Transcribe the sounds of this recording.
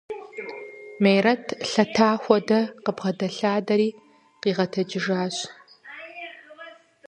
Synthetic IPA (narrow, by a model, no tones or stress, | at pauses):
mejɾɐtʰɬɐtʰaːxʷɔdɐqəbʁɐdɐɬaːdɐɾiː | qiːʁɐtʰɐd͡ʒɪʒaːɕ